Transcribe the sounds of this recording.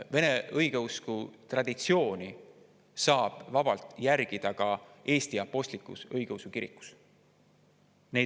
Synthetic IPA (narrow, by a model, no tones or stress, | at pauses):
ve̞ne̞ɤjɡeuskut̪rɑd̪̥it̪sio̞ːni | sɑːb̥vɑb̥ɑlt̪ˑjærɡ̥id̪̥ɑkɑe̞ːst̪iɑpːo̞sʲt̪likːˑṵsɤjɡ̥eusukiɾḭkːˑu̥s | ne